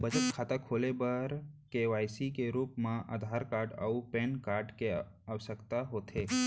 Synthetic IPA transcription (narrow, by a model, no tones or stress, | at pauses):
bəd͡ʒət̪kʰaːt̪akʰoːlebəɾkeʋaːjsikeɾuːpmãʔa̰d̪ʱaːɾkaːɾɖa̰upenkaːɾɖke | aʋəsəkt̪aɦoːt̪ʰeː